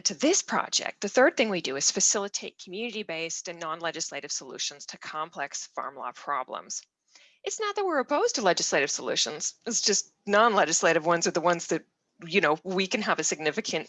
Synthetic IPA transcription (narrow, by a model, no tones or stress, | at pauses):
tʰɨðɪspʰɹ̥ɑ̰d͡ʒɛ̰k̪̚ðɨθɜ˞d̪̚θɪ̃ŋwidɨɨz̥fɨsɪlˠətʰeɪt̚kʰmjʉnɨɾibeɪstɨ̃nːɑ̃nlɛd͡ʒɨsleɪɾɨv̥səlʉ̰ʃɨ̃n̩z̥tʰɨkʰɑ̃mpʰl̥ɛksfɑ̰ɹmlɑ̰pʰɹ̥ɑ̰blə̰̃mz̥ | ɨtsnət̪̚ðət̚wɪɹɨpʰoʊz̥tʰɨlɛd͡ʒɨsleɪɾɨv̥səlʉ̰ʃɨ̃nz̥ɨtsd̥ʒ̥ʌst | nɑ̃nlɛd͡ʒɨsleɪɾɨvwʌ̃nzə˞ðəwʌ̃nzðɨt̚ | jɨnoʊwikɨ̃nəvɨsɨɡ̚nɪfɨkʰɨ̃nt